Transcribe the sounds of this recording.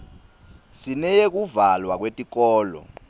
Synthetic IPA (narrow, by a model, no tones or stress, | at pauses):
sinɛjek̬uvalwak̬wetʼik̬ʼɔːlɔ̰